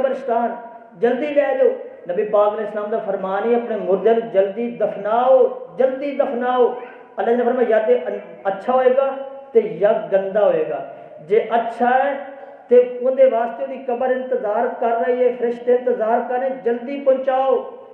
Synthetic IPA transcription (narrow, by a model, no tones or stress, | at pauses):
bəɾst̪aːn | d͡ʒəld̪iːlɛːloːnəbiːpaːɡneːɪslaːmd̪aːpʰəɾmaːniːəpneːmʊɾd̪eld͡ʒəld̪iːd̪əpʰnaːoːd͡ʒəld̪iːd̪əpʰnaːoː | ələd͡ʒnəbəɾmãːjəd̪e | ətːʃʰaːɦoːeːɡaːt̪eːjəd̪ɡənd̪aːɦoːeːɡaː | d͡ʒeːʔətːʃʰaːɛː | t̪eːʊnd̪eːʋaːst̪eːod̪iːkəbəɾɪ̃nt̪əzaːɾkəɾːəiːɛːpʰɾɪʃʈɪ̃nt̪əzaːɾkəɾnẽːd͡ʒəld̪iːpõnt͡ʃaːoː